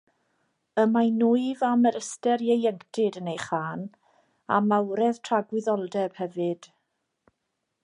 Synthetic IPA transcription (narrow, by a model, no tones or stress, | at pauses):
əmanuɨvaməɾəstɛɾjejɛŋktʰɪdənejχaːn | a̰mawɾɛðtʰraɡwɪðɔlˠdɛb̥hɛvɨd̥